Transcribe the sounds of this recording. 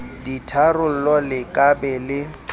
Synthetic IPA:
ditʰarʊl̩lɔlɪkʼabɛlɪ

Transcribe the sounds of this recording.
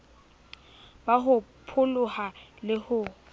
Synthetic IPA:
baɦʊpʰʊlʊhalɪhʊ

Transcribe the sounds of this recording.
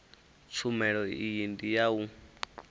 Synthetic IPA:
t͡sʰumɛ̃ɺɔiijind̪ijau

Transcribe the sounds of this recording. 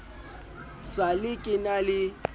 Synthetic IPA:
salɪkʼɪnalɪ

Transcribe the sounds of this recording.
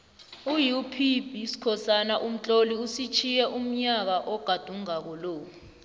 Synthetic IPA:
ujupʰibʱisi̥kʰɔsanaʔum̩t͡ɬʼoliusit͡ʃʰijɛʔum̩ɲak̬aʔɔɡ̥ʱad̥ʱuŋak̬ɔloːku

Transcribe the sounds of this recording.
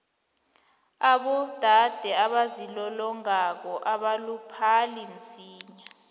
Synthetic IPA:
aɓɔd̥ʱad̥ʱɛaɓazilɔlɔŋak̬ɔʔaɓalupʰalin̩siːɲa

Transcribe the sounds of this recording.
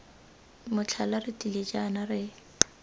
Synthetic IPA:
mʊt͡ɬʰalarɪtʼilet͡ʃʼanarɪ

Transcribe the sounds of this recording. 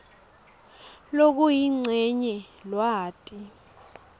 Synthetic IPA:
lok̬ʼujiŋ͡ǀʱɛɲɛlwaːtʼi

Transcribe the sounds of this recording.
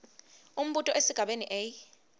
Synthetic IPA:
um̩ɓutʼɔʔesiɡ̥ʱaɓeniʔej

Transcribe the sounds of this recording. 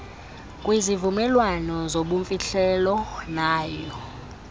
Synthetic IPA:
kʼwizivumɛlwanɔzoɓuɱfiɬʰɛlɔnaːjɔ

